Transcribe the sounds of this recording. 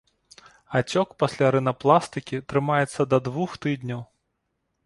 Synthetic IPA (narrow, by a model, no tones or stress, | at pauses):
at͡sʲɔkpɐsʲlʲaɾɨnɐplˠast̪ɨkʲit̪ɾɨmajɛt̪sːɐd̪ɐd̪vuxt̪ɨd̪nʲɐw